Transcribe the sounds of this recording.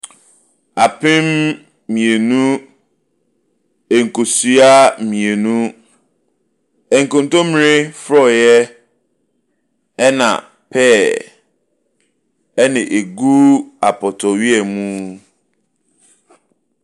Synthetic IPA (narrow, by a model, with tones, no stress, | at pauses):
a˨pʰɪ̃˦mː | ĩ˨e˨nũ˦ | e˨ŋ̩˨kʰo˨sɥa˦mĩ˨e˨nũ˦ | ɛ˨ŋ̩˨kʊ̃˨n˦tõ˦mĩ˨ɾɪ˦fɾɔ˦˨jɛ˦ | ɛ˦nã̰˨ | pʰɛː˦˨ | ɛ˦nɪ̃˨ʔe˨ɡu˦a˨pʰɔ˨tʰɔ˨ɥi˦ɛ˨mũ˦